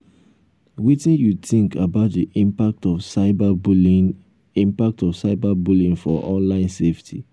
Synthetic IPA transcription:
witĩnjutĩŋkʰabaʊtdiʔĩmpak̚tɔfsaɪbabli | ĩmpak̚tɔfsaɪbabulĩŋfɔʔɔ̃nlãɪ̃nseftʰḭ

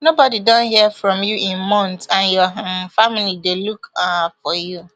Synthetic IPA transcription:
nobɔdidɔ̃nhiəfɹɔ̃mjuʔɪ̃nmɔ̃ntãnjɔfamilidelukafɔju

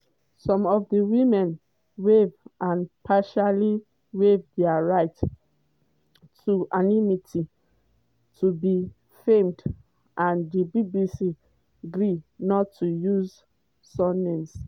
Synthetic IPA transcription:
sɔ̃mɔfdiwimɛ̃n | wevãnpʰaʃali | wevdɛaɹaɪt | tʰuʔanimitʰi | tʰubi | fẽmd | ʔãndibibisi | ɡɹinɔtʰːujuz | sɔ̃nẽms

